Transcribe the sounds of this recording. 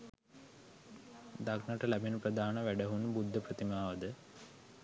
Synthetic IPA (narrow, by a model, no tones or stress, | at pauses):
d̪aknɐʈəlæbinɐprɐd̪aːnɐʋæɖɐɦunbud̪ʱːəprɐt̪imaːʋɐd̪ə